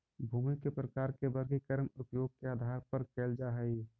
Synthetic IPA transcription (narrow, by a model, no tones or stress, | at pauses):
bʱuːmikːepɾəkaːɾkebəɾɡikəɾmʊpjoːɡ̚keaːd̪ʱaɾpəɾkeːld͡ʒaɦɛi